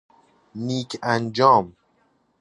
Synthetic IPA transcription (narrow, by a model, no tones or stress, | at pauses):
niːkʰænd͡ʒɒːm